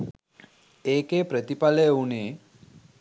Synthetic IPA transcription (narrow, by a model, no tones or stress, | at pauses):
eːkepɾət̪ipaleuneː